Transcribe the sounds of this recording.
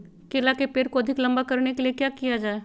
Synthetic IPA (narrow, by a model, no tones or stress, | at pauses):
kelakepeːɾkoɐd̪ʱɪklɐ̃mbakɐɾnekeliekjakijad͡ʒaːe